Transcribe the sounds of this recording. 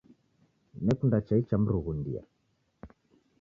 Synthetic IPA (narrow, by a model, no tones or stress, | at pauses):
nɛkundat͡ʃait͡ʃam̩ɾuɣundḭa̰